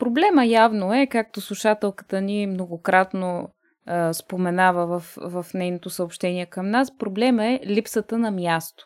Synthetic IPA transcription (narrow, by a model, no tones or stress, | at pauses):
pɾoblɛməjavnoɛkak̚t̪oslˠuʃat̪ɛlˠkə̥t̪ənimnoɡokɾat̪no | spomɛnavəvəfvɐfnɛjnot̪osəopʃt̪ɛniɛkəmnaspɾoblɛməɛlipsət̪ənɐmjast̪o̥